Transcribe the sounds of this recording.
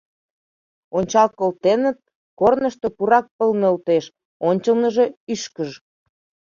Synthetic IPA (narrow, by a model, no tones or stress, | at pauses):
onʲt͡ɕɑlkolt̪enə̆t̪̚ | kornəʃt̪opuɾɑk̚pəlnølt̪eʃ | onʲt͡ɕəlnəʒe̽yʃkəʒ